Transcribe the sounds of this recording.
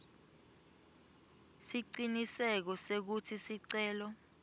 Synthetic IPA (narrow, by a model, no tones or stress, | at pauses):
siǀinisɛk̬ɔsek̬utʰisiǀɛːlɔ